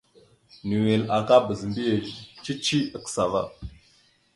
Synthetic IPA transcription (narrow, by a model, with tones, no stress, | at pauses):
ni˨we˨la˨ka˦bə˨zmbi˦je˨t͡ʃi˦t͡ʃi˦ə˨ksa˨va̰˦˨